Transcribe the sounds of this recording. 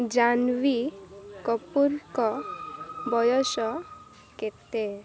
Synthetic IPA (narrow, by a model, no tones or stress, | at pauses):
d͡ʒanʋikɔpuɾkɔ | bɔjɔsɔ | ket̪e